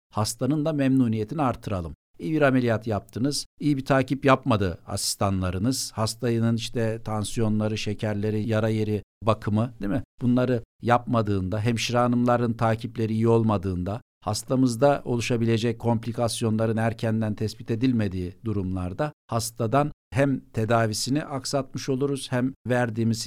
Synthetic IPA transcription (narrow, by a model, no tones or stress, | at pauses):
hast̪ʰanɯnd̪amɛmnuːnije̞t̪ʰiniaɾt̪ʰːɯɾalˠɯm | ijibiɾamelʲijat̪ʰjap̚t̪ʰɯnɯz̥ijibit̪ʰaːcipjapmad̪ɯa̰si̥st̪ʰanlˠaɾɯnɯz̥hast̪ʰajɯnɯniʃt̪ʰɛt̪ʰansijo̞nlˠaɾɯʃecʰæɾlʲe̞ɾijaɾaje̞ɾibakʰɯmɯd̪emibunlˠaɾɯjap̚mad̪ɯːnd̪aɦæmʃiɾaːnɯmlˠaɾɯnt̪ʰaːcʰiplʲe̞ɾiːjio̞lˠmad̪ɯːnd̪a | hast̪ʰamɯzd̪ao̞lˠuʃabilʲe̞d͡ʒɛc̚kʰːo̞mplʲikʰasjo̞nlˠaɾɯnæɾcʰænd̪ænt̪ʰɛsbit̪ʰed̪ilʲme̞d̪iːd̪uɾumlˠaɾd̪ahast̪ʰad̪anɦæmt̪ʰe̞d̪aːvisiniʔaksat̪mɯʃo̞lˠuɾuz̥hæmvæɾd̪iːmiz̥